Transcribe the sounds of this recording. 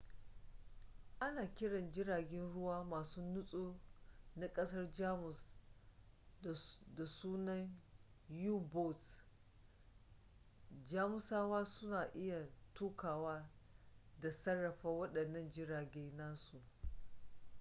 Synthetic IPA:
ʔa˦naː˨kʲɪ˦ɽɐ˨nd͡ʒɪ˦ɽaː˨ɡʲɛ˦nɽʊ˦waː˦maː˨suː˦nʊ˦sʼoː˦na˨kʼɐ˦sɐ˦rd͡ʒaː˦mʊ˨s | da˨suː˦nɐ˦n | ju˦bɔ˦t | d͡ʒaː˦mʊ˦saː˦waː˦sʊ˦naː˨ʔɪ˦ja˨tuː˦kaː˨waː˦ | da˨sɐ˦rːɐ˨ɸa˦wɐ˦ɗɐ˨nːɐ˦˨nd͡ʒɪ˦ɽaː˨ɡʲeː˦naː˦su˨ʔ

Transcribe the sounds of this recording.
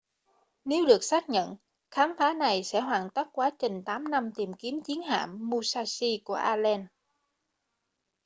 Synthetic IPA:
ne˨˦wɗɨ˨˩ək̚saː˦˥k̚ɲə̰˧˨n | xaː˨˦mfaː˨˦na˨˩jsɛ̰˧˥ɦwaː˨˩nt̪a˦˥k̚kwaː˨˦t͡ɕe˨˩ŋ̟t̪aː˨˦mna˧mt̪i˨˩mki˨˦əmt͡ɕi˨˦ənha̰ː˧˨mːu˧saː˧si˧ku˧˩əʔaː˧lɛ˧n

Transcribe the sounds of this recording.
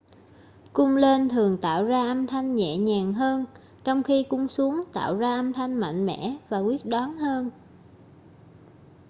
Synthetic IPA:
kʊ˧ŋ͡mle˧nt̪ʰɨ˨˩əŋt̪a̰ː˧˨wzaː˧ʔə˧mt̪ʰa˧jŋ̟ɲɛ̰˧˨ɲaː˨˩ŋɦəː˧n | t͡ɕɔ˧wŋ͡mxi˧kʊ˧˥ŋ͡msu˨˦əŋt̪a̰ː˧˨wzaː˧ʔə˧mt̪ʰa˧jŋ̟ma̰˧˨jŋ̟mɛ̰˧˥vaː˨˩kwi˦˥ət̚ɗɔ˨˦nhəː˧n

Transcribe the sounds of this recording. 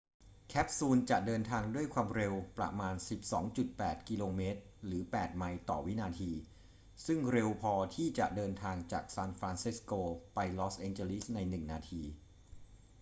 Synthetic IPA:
kʰɛ˦˥p̚suː˧nt͡ɕa˨˩ʔdɤː˧nt̪ʰaː˧ŋdu˥˩əjkʰwaː˧mɾe˧wpɾa̰˧maː˧nsi˨˩p̚sɔ̰ː˩˦ŋt͡ɕu˨˩t̪̚pɛː˨˩t̪̚ki˧loː˧meː˦˥t̪̚ɾɯː˩˦pɛː˨˩t̪̚ma˧jt̪ɔ̰ː˨˩wi˦˥naː˧t̪ʰiː˧ | sɯ˥˩ŋɾe˧wpʰɔː˧t̪ʰiː˥˩t͡ɕa˨˩ʔdɤː˧nt̪ʰaː˧ŋt͡ɕa̰ː˨˩k̚saː˧nfɾaː˧nsi˦˥skoː˧pa˧jlɔː˦˥sʔɛː˧nt͡ɕeː˧li˦˥sna˧jnɯ˨˩ŋnaː˧t̪ʰiː˧

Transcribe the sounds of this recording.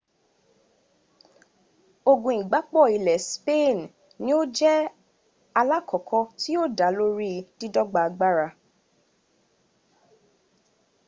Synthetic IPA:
o˧ɡũ˨i˨ɡ͡ba˨˦k͡pɔ˦˨i˨lɛ˨spe˦˨n˨ | nĩ˦o˦d͡ʒɛ˦ | a˧la˦kɔ˨kʰɔ˧ti˦o˦da˨˦lo˦ɾi˦di˦dɔ˦ɡ͡ba˧ɡ͡ba˦ɾa˧

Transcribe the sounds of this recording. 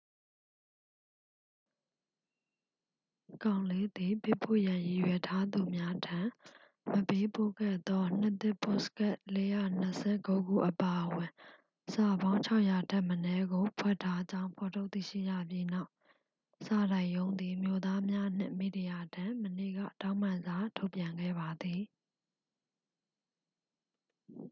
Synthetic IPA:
kã˨ʊ̃le˦d̪i˨pe˦˨pʰːo̰˦˨jã˨ji˨jwɛ˨tʰa˦d̪u˨mja˦dʰã˨ | məpe˦po̰˦˨ɡɛ̰˦˨t̪ɔ˦n̥ɪ˦t̪ɪ˦˨pʰo˦˨sə̥kɛ˦ʔle˦jä̰˦˨n̥əsʰɛ̰˦˨ko˦ɡṵ˦˨ʔəpa˨ʔəwɪ̃˨ | sa˨bã˦ʊ̃ɲt͡ɕʰa˦ʊʔja˨tʰã˦˨mənɛ˦ɡo˨pʰwɛ˦˨tʰːa˦d͡ʑã˦ʊ̃mpʰɔ˨tʰo˦ʊt̪ḭ˦˨ʃḭ˦˨jä̰˦˨pji˦na˦˨ʊ | sa˨ɾã˨ɪʔjõ˦ʊ̃nd̪i˨mjo˦˨d̪a˦mja˦n̥ɪ̰̃˦˨mi˦˨di˨ja˨tʰã˨mənḛ˦˨ɡä̰˦˨tã˦ʊ̃m̥ã˨nza˨tʰo˦ʊpjã˨ŋɡɛ̰˦˨ba˨d̪i˨

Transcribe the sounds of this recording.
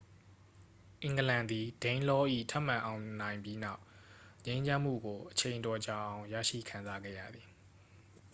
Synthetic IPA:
ʔɪ̃˨ŋɡəlã˨nd̪i˨d̥ẽ˦ɪ̃nlɔ˦ʔḭ˦˨tʰa˦ʔm̥ã˨ʔã˨ʊ̃nã˨ɪ̃mbji˦na˦ʊʔɲẽ˦ɪ̃ɲd͡ʑã˦m̥ṵ˦˨ɡo˨ʔət͡ɕʰẽ˨ɪ̃ntɔ˨d͡ʑa˨ʔã˨ʊ̃jä̰˦˨ʃḭ˦˨kʰã˨nza˦ɡɛ̰˦˨jä̰˦˨d̪ði˨

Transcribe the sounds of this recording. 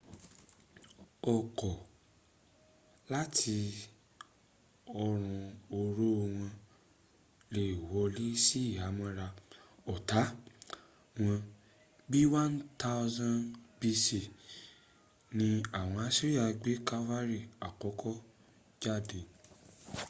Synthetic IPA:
ɔ˨kɔ˨ | la˦tʰi˧ | ɔ˧ɾ̃ũ˧o˧ɾo˦˧w̃ɔ̃˧ | le˧i˨wɔ˨˧li˦si˦i˦˨a˨˦mã˧˦ɾa˧ɔ˨ta˨˦ | w̃ɔ̃˧ | bi˦wã˦nta˦zã˧nbi˧si˨ | nĩ˧a˨w̃ɔ̃˧a˦si˦ɾi˦a˧ɡ͡be˦ka˦va˦ɾi˦˨a˨kɔ˨˦kʰɔ˦ | d͡ʒa˦˨de˧˨

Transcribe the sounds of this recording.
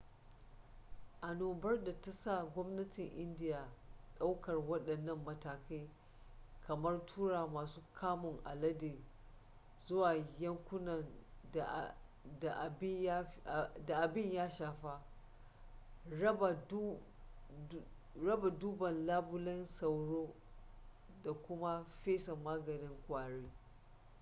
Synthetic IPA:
ʔa˨noː˨bɐ˦rda˨ta˦sa˦˨ɡʷɔ˦mnɐ˦tɪ˨ŋʔɪ˦ndɪ˦jaː˨ɗa˦wkɐ˨rwɐ˦ɗɐ˨nːɐ˦mːɐ˨taː˨ka˦j | kʰɐ˨mɐ˦rtʰuː˦ɽaː˨maː˨suː˦kʰaː˦mʊ˨ŋʔa̰˨lɐ˦deː˨ | z̥ʊ˦waː˨jɐ˦ŋkʷʊ˦nɐ˨n˨ | da˨ʔbda˨ʔa˨bɪ˦ɲjaː˦ʃaː˨ɸa˦ | ɐ˦ba˨˦ | ɾɐ˦ba˨duː˦bɐ˨nlaː˦bʊ˦lɐ˦nsɐ˨wɽoː˦ | da˨kʷʊ˦ma˦ɸeː˦sɐ˨maː˦ɡɐ˨nɪ˦ŋkʷaː˨ɽiː˦

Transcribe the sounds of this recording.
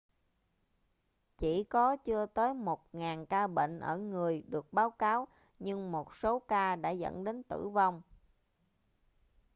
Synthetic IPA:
t͡ɕi˧˩kɔ˨˦t͡ɕɨ˧ət̪əː˨˦jmo˨˩t̚ŋaː˨˩nkaː˧ɓḛ˧˨ŋ̟ʔəː˧˩ŋɨ˨˩əjɗɨ˨˩ək̚ɓaː˨˦wkaː˨˦w | ɲɨ˧ŋmo˨˩t̚so˨˦kaː˧ɗa̰ː˧˥zə̰˧˥nɗe˨˦nt̪ɨ̰˧˩va˧wŋ͡m

